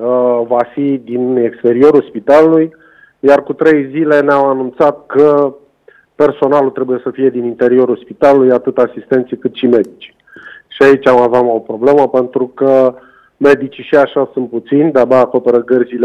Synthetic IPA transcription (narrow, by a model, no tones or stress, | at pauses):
əvafid̪ine̞kst̪e̞ɾio̞ɾulspit̪aluluj | jarkut̪ɾe̞jzile̞neamanunt̪sat̪̚kə | pe̞rso̞nalult̪ɾe̞buje̞səfije̞d̪inint̪e̞ɾio̞ɾulspit̪alulujat̪ɨt̪asist̪e̞nt̪sijkɨt̪ʃime̞d̪it͡ʃi̥ | ʃiait͡ʃʲamaveamo̞pɾo̞ble̞məpe̞nt̪ɾukə | me̞d̪it͡ʃiʃiaʃasunt̪̚put̪sinʲd̪ab̪aːko̞pe̞ɾəɡərzile